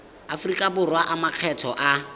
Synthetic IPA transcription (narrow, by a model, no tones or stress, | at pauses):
afʊrikʼabʊrwaʔamaq͡χʰɛtʰɔʔa